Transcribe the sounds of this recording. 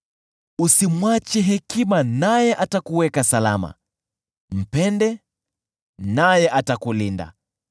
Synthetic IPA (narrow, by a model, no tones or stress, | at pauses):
usimwat͡ʃɛɦɛkimanajɛʔatakuwɛkasala̰ma̰ | m̩pɛndɛ | najɛʔatakulinda̰